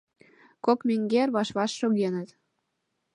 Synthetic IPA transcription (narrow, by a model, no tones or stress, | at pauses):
kokmeŋɡerβɑʃβɑʃːoɣenət̪